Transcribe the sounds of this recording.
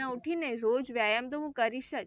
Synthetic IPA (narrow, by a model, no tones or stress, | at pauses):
ãuʈʰineɾod͡ʒʋjajamt̪əɦũkəɾiʃət͡ʃ